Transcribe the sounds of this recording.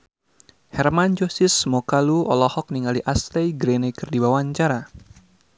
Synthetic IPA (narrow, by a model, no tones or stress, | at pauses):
hɛrmand͡ʒosɪsmɔkaluɔ̰lɔhɔk̚niŋaliʔast̪ɛjɡɾenɛkɨrdibawaɲt͡ʃaɾa